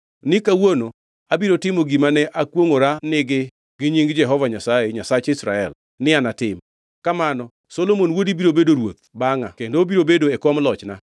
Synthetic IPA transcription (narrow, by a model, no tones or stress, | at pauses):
nɪkawono | abiɾotɪmoɡimanɛʔakwoŋoɾanɪɡɪ | ɡɪɲiŋɡd͡ʒɛɦɔvaɲasaeɲasat͡ʃɪsɾa̰ɛl | nɪanatɪm | kamanɔ | solomonwodibiɾobedoɾwot̪̚baŋa̰kendobiɾobedoekwɔmlɔt͡ʃna̰